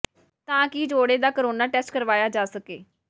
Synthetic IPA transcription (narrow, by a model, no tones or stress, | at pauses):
t̪ãːkɪd͡ʒoːɽeːd̪aːkoɾoːnaːʈɛːsʈkəɾʋaːjaːd͡ʒaːsəkeː